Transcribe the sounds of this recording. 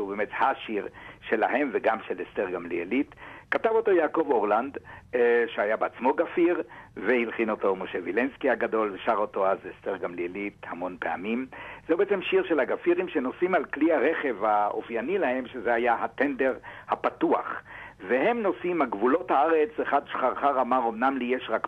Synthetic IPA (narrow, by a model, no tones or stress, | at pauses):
ubemethaʃiʁʃe̞laɦe̞mveɡamʃelesteʁɡamlielitkatavo̞to̞jaːko̞voʁland̪ | ʃeajabeat͡smo̞ɡafiʁvehilχinoto̞moʃevilenskiaɡado̞lveʃaʁo̞to̞azesteʁɡamlielithamo̞npea̰mimz̥oubeʔet͡semʃiʁʃelaɡafiʁimʃeno̞simalkliaʁeχevhao̰fjanilahe̞mʃezeajahat̪endeʁhapatuaχveɦe̞mno̞simaɡvulo̞thaaʁet͡seχadʃχaʁχaʁamaʁomnamlijeʃʁak